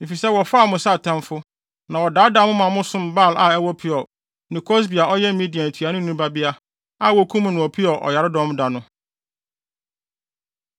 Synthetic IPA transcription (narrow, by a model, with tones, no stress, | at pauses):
m̩˨fi˨sɛ˦wɔ˨fa˦˨mʊ̃˨sa˦˨tʰɛ̃˦mfʊ˦ | nã˨wɔ˨daː˨˦da˦mʊ̃˦mã˨mʊ̃˦sʊ̃˦m˨ba˦˨lʔa˨ɛ˦wɔ˦pʰɪ˦ɔ˨ | nɪ̃˨kʰɔ˦s̬bi˨a˨ɔ˦jɛ˦mĩ˦di˨ã˨tʰɥa˨nʊ̃˦ũ˦ba˦bɪ˦a˦ | a˦˨wɔ˨˦kʰũ˦m̃˦nʊ̃˨ɔ˨pʰi˦ɔ˨ʔɔ̰˨ja˨ɾɪ˦dɔ̃˦m˦da˨nʊ̃˦